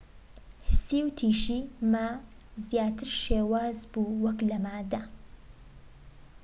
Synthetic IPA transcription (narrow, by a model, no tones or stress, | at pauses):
hɨsiːwt̪ʰiːʃiːmazjaːt̪ʰɨɾʃeːwaːzbuːwɐklɐmaːd̪ɐ